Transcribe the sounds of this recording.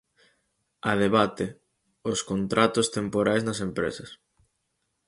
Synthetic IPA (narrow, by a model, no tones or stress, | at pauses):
ɐð̞eβat̪e | oskont̪ɾʔat̪ʊst̪empoɾajznɐsempɾḛsɐs